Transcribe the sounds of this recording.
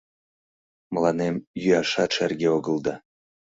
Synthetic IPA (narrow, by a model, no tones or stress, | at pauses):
mlˠɑnemjyɑʃɑt̪ʃærɡʲeoɡə̆lˠd̪ɑ